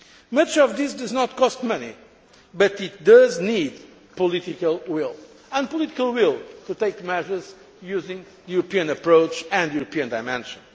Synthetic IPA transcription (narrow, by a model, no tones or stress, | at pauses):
mʌt͡ʃɔvðisd̪ʌznɔt̪̚kɔst̪̚mʌnḭ | bʌt̪it̪̚d̪ʌznid̪ | pɔlit̪ikəlˠwilˠ | ə̃npɔlit̪ikəlˠwilˠt̪ut̪eɪkmɛʒə˞z̥ | juzɪ̃ŋ | ðjuɾəpiɨ̃nɨpɹoʊt͡ʃɨ̃nd̪uɾopiɨ̃nd̪aɪmɛ̃nʃɨ̃n